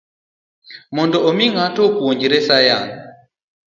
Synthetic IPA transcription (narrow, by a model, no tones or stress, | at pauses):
mɔndɔʔomiŋatɔkuwoɲd͡ʒiɾɛsajaŋ